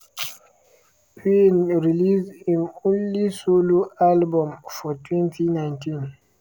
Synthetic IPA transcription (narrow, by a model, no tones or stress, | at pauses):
pʰenɹilisĩnõnlisoloalbɔ̃mfɔtwɛ̃ntinãɪ̃ntʰĩn